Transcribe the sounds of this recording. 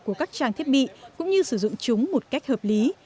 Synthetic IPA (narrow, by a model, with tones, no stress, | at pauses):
ku˧˩əkaː˦˥k̚t͡ɕaː˧˩ŋt̪ʰi˦˥ət̚ɓḭ˧˨kʊ̰˧˥ŋ͡mɲɨ˧sɨ˧˩zʊ̰˧˨ŋ͡mt͡ɕʊ˨˦ŋ͡mmo˨˩t̚ka˦˥jk̟̚həː˨˩p̚li˨˦